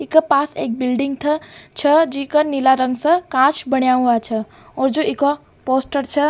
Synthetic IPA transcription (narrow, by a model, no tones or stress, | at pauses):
ɪkəpaːseːk̚bɪlɖɪ̃ŋɡ̚t̪ʰɐt͡ʃʰɐd͡ʒiːkənilaɾə̃ŋɡsɐ̃kãːt͡ʃbɐɳjaɦuat͡ʃʰɐ | ɔːɾd͡ʒoːʔɪko | poːsʈəɾt͡ʃʰə